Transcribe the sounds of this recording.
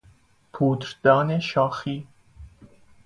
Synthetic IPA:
pʰuːt̪ɾd̪̥ɑːneʃɑːxi

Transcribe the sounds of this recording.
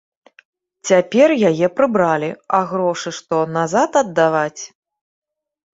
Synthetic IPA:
t͡sʲapʲɛrjajɛpɾɨbɾalʲiaɣɾɔʂɨʂt̪ɔnazat̪ɐd̪ːavat͡sʲ

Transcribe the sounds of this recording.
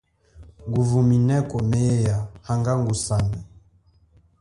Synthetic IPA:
ŋɡuvuminɛkɔmɛjahaŋɡaŋɡusanɛ

